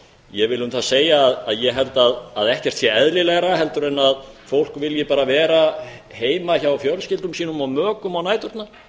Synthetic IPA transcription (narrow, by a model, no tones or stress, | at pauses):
jɛvɪlʏnθaseːjaːðaðjɛɦɛlt̪aðːðɛhcɛr̥t̪sjɛɛðlɪlɛɣɾaɦɛlt̪ʏɾɛnːaðfowl̥kvɪljɛpaːɾavɛːɾaheːjmaçawafjœɾlscɪlt̪ʏmsiːnʏmawmœːkʏmawnaːjt̪ʏɾ̥t̪na